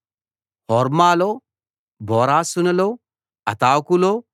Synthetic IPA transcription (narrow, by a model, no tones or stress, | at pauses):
hɔːɾmaːloː | bʱɔːɾaːsunɐloː | ɐt̪aːwkuloː